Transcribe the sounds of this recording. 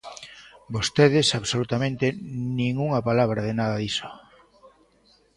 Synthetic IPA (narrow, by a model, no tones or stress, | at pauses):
bost̪eðesaβsolut̪amẽnt̪enĩŋuŋapalaβ̞ɾaðenaðaðiso̥